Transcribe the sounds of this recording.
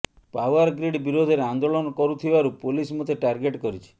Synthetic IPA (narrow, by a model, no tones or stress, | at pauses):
pawaɾɡɾiɖbiɾod̪ʱɔɾeand̪olɔnɔkɔɾut̪ʰibaɾupolismɔt̪ʰeʈaɾɡeʈkɔɾit͡ʃʰi̥